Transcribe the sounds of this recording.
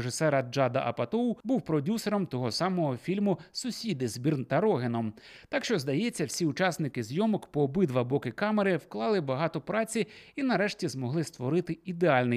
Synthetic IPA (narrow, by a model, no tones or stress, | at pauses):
ʐɪsɛɾɐd͡ʒɑd̪ɐ̰ʔɐ̰pɐt̪ɔwbuwpɾɔdʲuseɾɔmt̪ɔɦɔsɑmɔɦɔfʲilʲmʊsʊsʲid̪ɪzbʲirnt̪ɐɾɔɦɪnɔm | t̪ɑkʃt͡ʃɔzd̪ɐjet͡sʲːɐwsʲiʊt͡ʃɑsnɪkɪzʲjɔmɔkpɔːbɪd̪ʋɐbɔkɪkɑmeɾɪwklˠɑlˠɪbɐɦɑt̪ɔpɾɑt͡sʲiinɐɾɛʃtʲizmɔɦlˠɪst̪ʋɔɾɪt̪ɪid̪eɑlʲnɪ